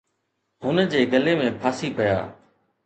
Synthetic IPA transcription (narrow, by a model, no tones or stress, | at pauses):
ɦʊnd͡ʑeːɡəleːmẽːpʰaːsiːpəja̰ː